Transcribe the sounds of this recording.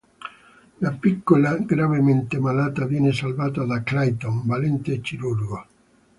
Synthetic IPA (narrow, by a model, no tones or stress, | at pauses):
lapikːolaɡɾavement̪emanaːt̪avjɛnesalvaːt̪ad̪aklajt̪oŋbalɛnt̪eːkːiɾuɾɡo